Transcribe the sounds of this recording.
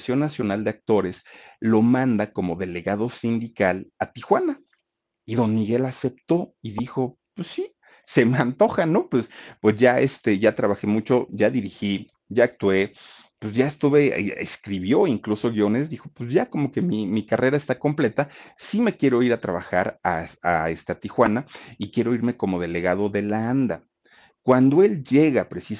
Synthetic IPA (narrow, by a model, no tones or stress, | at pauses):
sjo̞nːasjo̞nald̪e̞ak̚t̪o̞ɾe̞slo̞mãnd̪ako̞mo̞ðe̞le̞ɣaðo̞sind̪ikalat̪ixwana | iðo̞nmiɣe̞lase̞p̚t̪o̞iðixo̞ | pwesːi | se̞meant̪o̞xano̞pwespwe̞zʝaest̪e̞ʝat̪ɾaβaxe̞mut͡ʃo̞ʝaðiɾixi | ɟ͡ʝaːk̚t̪we̞ | pwezʝaest̪uβe̞ḛskɾiβjo̞iŋkluso̞ɣjo̞ne̞zd̪ixo̞pwezʝako̞mo̞kemimikare̞ɾae̞st̪ako̞mple̞t̪asime̞kje̞ɾo̞iɾat̪ɾaβaxa̰ɾasaest̪eat̪ixwanaikje̞ɾo̞iɾme̞ko̞mo̞ð̞e̞le̞ɣað̞o̞ðe̞laand̪a̰ | kwand̪o̞e̞lʝe̞ɣapɾe̞sis